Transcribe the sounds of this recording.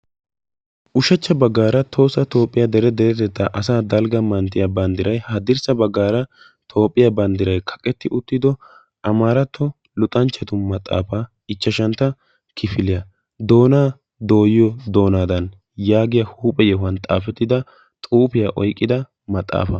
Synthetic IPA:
ʔʊʃɐt͡ʃːɐbɐɡːaːɾɐt̪ʰo̞ːsːɐt̪o̞ːpʼːɪjɐd̪ɛɾɛd̪ɛɾɛt̪ɛt̪ːɐʔɐsaːd̪ɐlɡɐmɐnt̪ɪjɐbɐnd̪ɪɾɐjhɐd̪ɪɾsɐbɐɡːaːɾɐ | t̪ʰo̞ːpʼːɪjabɐnd̪ɪɾɐjkʰɐ̥kʼɛt̪ːɪʔʊt̪ːɪd̪ɔ | ɐmaːɾɐt̪ʰːɔ | lʊt̪ʼɐnt͡ʃːɛt̪ʊmɐt̪ʼːa̰ːfaː | ɪt͡ʃːɐʃɐnt̪ːɐ | kʰɪfɪlɪjɐ | d̪o̞ːnaː | d̪o̞ːjɪjɔd̪o̞ːnaːd̪ɐn | jaːɡɪjɐhuːpʼɛjɛɦʊɐnt̪ʼa̰ːfɛt̪ːɪd̪ɐ | t̪ʼuːpɪjaːʔɔjkʼːɪd̪ɐ | mɐt̪ʼːa̰ːfɐ

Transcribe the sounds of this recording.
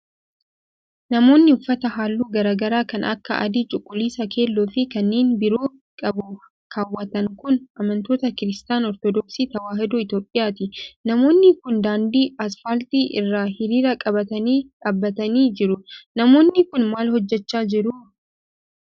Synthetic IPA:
nɐmo̞ːnːɪʊfːɐt̪ɐɦaːlːuːɡɐɾaːɡɐɾaːkɐnʔɐ̰kːɐ̰ʔɐ̰d̪iːt͡ʃʼʊkʼːʊlːiːsɐkʰe̞ːlːoːfɪkɐnːe̞ːnbɪɾoː | kʼɐbʊ | kʰaːwːɐt̪ɐŋkʊnʔɐmɐnt̪o̞ːt̪ɐkɪɾɪst̪aːnɔɾt̪ɔd̪ɔksiːt̪ɐwaːɦɪd̪ʊɪt̪jo̞ːpʼːɪjaːt̪ɪnɐmo̞ːnːɪkʊnd̪aːnd̪iːɐsfɐlt̪iːʔɪrːaːhɪɾiːɾɐkʼɐbɐt̪ɐniːᶑaːbːɐt̪ɐniːd͡ʒɪɾʊnɐmo̞ːnːɪkʊnmaːlhɔd͡ʒːɛt͡ʃːaːd͡ʒɪɾuʊ

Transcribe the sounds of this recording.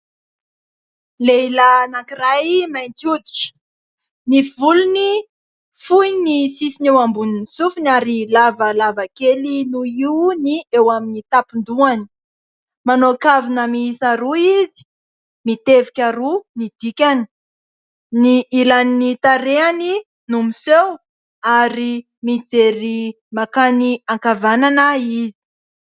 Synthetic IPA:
leilanakirajmajnt͡siud̪i̥ʈ͡ʂə̥ | nivuluni | fujnisisinewambuninisufunaɾilavəlavakelinuiuniewaminit̪apind̪uani̥ | manokavinəmiisaɾuizi̥ | mit̪evikʲaɾunid̪ikʲani̥ | niʔilaninit̪aɾeani | numisew | aɾi | mid͡zeɾi | makaniaŋkavananaizi̥

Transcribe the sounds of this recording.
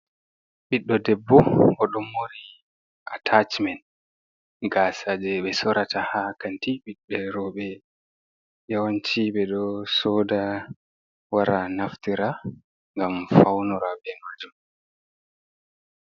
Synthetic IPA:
ɓiɗːɔdɛbːɔɔɗumːoɾi | ʔatʰat͡ʃmɛn | ɡasad͡ʒɛɓɛsɔɾatahakantiɓiɗːɛɾɔɓɛ | jawaɲt͡ʃiːɓɛɗɔsɔːda | waɾanaftiɾa | ŋɡamfawnɔɾabɛnad͡ʒun

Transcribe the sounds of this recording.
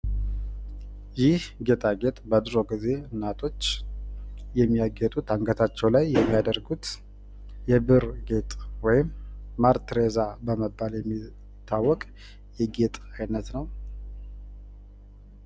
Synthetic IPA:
jɪhɡe̞t̪ʰʼaɡe̞t̪ʼbəd̪ɾo̞ɡize̞nat̪ʰo̞t͡ʃː | jɛmːijaɡɛt̪ʼut̪aŋɡət̪ʰat͡ʃːɛwlajːɛmːijad̪əɾɡut̪ | jɛbɨɾɡe̞t̪ʼwɔjɪmːaɾt̪ɾezabəməbːaljɛmːi | t̪ʰːawːɔkʼ | jɛɡe̞t̪ʼajnət̪nəw

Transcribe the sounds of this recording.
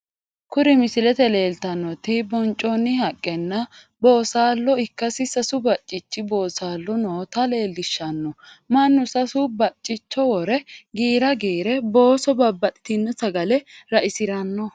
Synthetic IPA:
kʊɾɪmɪsɪlɛt̪ɛle̞ːlt̪ɐnːɔt̪ɪbɔnt͡ʃʼːɔnːɪhɐkʼːɛnːɐ | bo̞ːsaːlːɔɪkːɐsɪsɐsʊbɐt͡ʃʼːɪt͡ʃːɪbo̞ːsaːlːɔnoːt̪ɐle̞ːlːɪʃːɐnːɔ | mɐnːʊsɐsʊbɐt͡ʃʼːɪt͡ʃːɔwɔɾɛɡiːɾɐɡiːɾɛbo̞ːsɔbɐbːɐt̪ɪ̥t̪ɪnːɛsɐɡɐlɛɾɐʔɪsɪɾɐnːɔ

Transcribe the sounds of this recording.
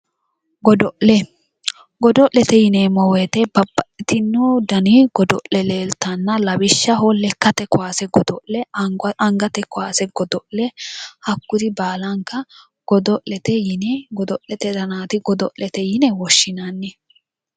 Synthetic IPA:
ɡɔd̪ɔʔlɛ | ɡɔd̪ɔʔlɛt̪ɛjɪneːmɔwet̪ɛbɐbːɐʔɪt̪ɪnːʊd̪ɐniɡ̥ɔd̪ɔ̰ʔɛleːlt̪ɐnːɐlɐbɪʃːɐɦɔlːɛkːɐt̪ɛkʊaːsɛɡɔd̪ɔʔɛɐŋɡɐt̪ɛkɔaːsɛɡ̥ɔd̪ɔʔlɛhɐkːʊd̪ɪbaːlɐŋkɐ | ɡ̥ɔd̪ɔʔlɛt̪ɛjɪnɛɡɔd̪ɔʔɛt̪ɛd̪ɐnaːt̪ɪɡɔd̪ɔ̰ʔɛt̪ɛjɪnɛwɔʃːɪnanːɛ

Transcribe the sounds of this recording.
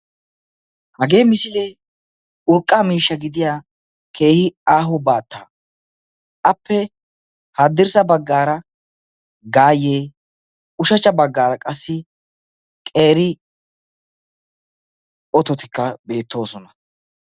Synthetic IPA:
hɐɡe̞ːmɪsɪle | ʊɾkʼːamiːʃːɐɡɪd̪ɪjaː | kʰe̞ːhɪaːɦʊbaːt̪ːaː | ʔɐpːɛ | had̪ːɪɾsɐbɐɡːaːɾɐ | ɡaːjeː | ʊʃɐt͡ʃːɐbɐɡːaːɾɐkʼɐsːɪ | kʼe̞ːɾɪ | ɔt̪ɔt̪ɪkːɐbe̞ːt̪ːo̞ːsɔnɐ̥

